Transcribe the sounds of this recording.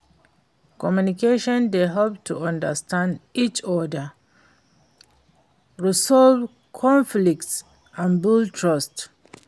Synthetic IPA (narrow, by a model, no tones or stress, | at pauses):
kɔmjunikeʃɔ̃nd̪eɦɛlp̚tʰṵʌ̃ndə̰stãndit͡ʃɔdə | ɹisɔlv | kʰɔ̃ɱflik̚ts | ãnbultʰɹɔst